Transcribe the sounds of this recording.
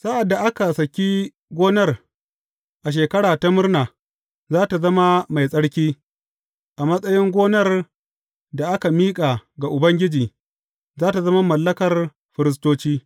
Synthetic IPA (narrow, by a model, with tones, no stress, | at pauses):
sa˦ʔa˨dːa˨ʔa˦ka˨sɐ˨kʲi˦ | ɡʷoː˦nɐ˦r | ʔa˨ʃ̬eː˨kɐ˦ɽaː˨ta˦mʊ˦rnaː˨ | zaː˦ta˨zɐ˦ma˦ma˨jsʼɐ˦ɽkʲiː˦ | ʔa˨mɐ˦sʼɐ˦jɪ˦ŋɡʷoː˦nɐ˦r | da˨ʔa˦ka˨miː˦kʼa˨ɡa˨ʔʊ˨bɐ˦ŋɡʲɪ˦d͡ʒiː˨ | zaː˦ta˨zɐ˦ma˦mɐ˨lːɐ˦kɐ˨r | ɸɪ˨ɾɪ˦s̬toː˦t͡ʃiː˦